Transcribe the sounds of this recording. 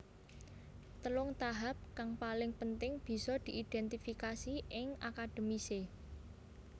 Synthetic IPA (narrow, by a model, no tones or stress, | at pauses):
t̪əlʊŋt̪aɦap̚kaŋpalɪŋpənt̪ɪŋb̥i̤sɔd̪̥i̤ʔid̪̥ɛnt̪ifikasiɪŋakad̪̥ə̤mise